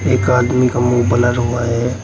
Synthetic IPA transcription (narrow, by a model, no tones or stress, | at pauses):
eːkaːd̪mikamuːbəlaɾɦuaɦɛː